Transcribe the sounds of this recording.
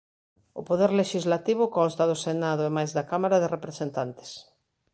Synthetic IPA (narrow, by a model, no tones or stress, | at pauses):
ʊ̰poðɛɾleʃizlat̪iβ̞ʊkɔnst̪ɐðʊsenaðʊɛmajzðɐkamaɾɐðerepɾesent̪ant̪e̥s